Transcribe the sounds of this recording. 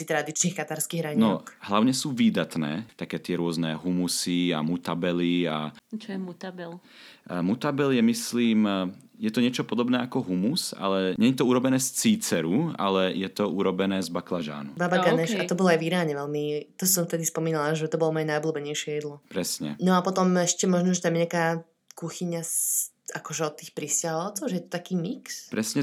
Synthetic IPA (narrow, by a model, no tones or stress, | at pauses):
it̪ɾad̪it͡ʃniːxkat̪aɾskiːɣɾaɲinɔkɦlaʊɲɛsuːʋiːd̪at̪nɛ̰ːt̪akɛːt̪ɪɛɾʊɔznɛɦumusia̰mut̪abɛlia̰t͡ʃt̪abɛl | mut̪abɛljɛmisliːm | jɛt̪ɔɲɪɛt͡ʃɔpɔd̪ɔbnɛːakɔɦumusa̰lɛɲɛjɛt̪ɔuɾɔbɛnɛːst͡siːt͡sɛɾua̰lɛjɛt̪ɔuɾɔbɛnɛːzbaklaʒa̰ːnubaːbaɡanɛʃat̪ɔbɔlˠɔajviɾaːɲɛʋɛlmit̪ɔssɔ̃mft̪ɛd̪ispɔmiːnalaʒɛt̪ɔbɔlɔmɔjɛnajɔbluːbɛɲɛjʃɪɛjɛd̪lɔpɾɛsɲɛ̰nɔapɔt̪ɔmɛʃcɛmɔʒnɔʒɛt̪amjɲakaː | kuxiɲas | akɔʒɛɔt̪ːiːxpɾiscaɦɔʊt͡sɔʊʒɛjɛt̪ɔ̥t̪akiːmikspɾɛsɲɛ